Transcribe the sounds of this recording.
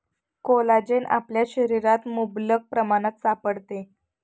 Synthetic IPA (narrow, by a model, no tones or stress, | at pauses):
kolad͡ʑenʔa̰pljaɕəɾiɾat̪mublək̚pɾəmaɽ̃ət̪sapəɽt̪e